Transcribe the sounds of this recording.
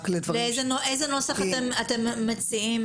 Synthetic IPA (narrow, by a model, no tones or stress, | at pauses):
kled̪vaʁleejzenoʔejzeno̞saχatt̪emat̪emːat͡siim